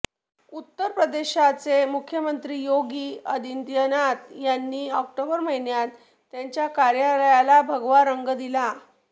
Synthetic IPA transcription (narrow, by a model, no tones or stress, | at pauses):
ut̪ːəɾpɾəd̪eɕat͡semukʰjəmənt̪ɾiːjoɡiːəd̪ind̪jənat̪janːiːɔk̚ʈobəɾməɦinjat̪ː | jaɲt͡ɕjakaɾjələjalabʱəɡʋaɾəŋɡd̪ila